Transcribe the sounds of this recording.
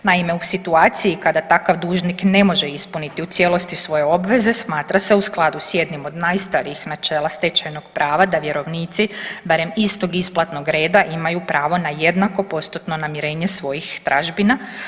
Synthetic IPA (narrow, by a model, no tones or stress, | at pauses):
naime̞usit̪uaːt̪sijikad̪at̪akaʋd̪uːʒnikne̞mo̞ʒeispunit̪iut̪sʲje̞lo̞st̪isʋo̞jeo̞bʋe̞ze̞smaːt̪ɾase̞usklˠad̪usje̞d̪nimo̞d̪najst̪aɾiixnat͡ʃe̞ːlast̪e̞t͡ʃajno̞ɡ̥pɾʔaːʋad̪aʋje̞ɾo̞ʋniːt̪sibaɾe̞mist̪o̞ɡisplˠat̪noɡɾe̞ːd̪aʔimajupɾaːʋo̞naje̞d̪nako̞po̞st̪ut̪no̞namiɾe̞ːɲe̞sʋo̞jixt̪ɾaʒbina